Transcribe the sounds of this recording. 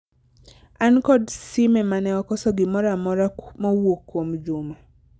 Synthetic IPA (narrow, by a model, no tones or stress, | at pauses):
ankɔdsɪmɛmanɛɔkɔsɔɡɪmɔɾamɔɾamɔwokwomd͡ʒʊma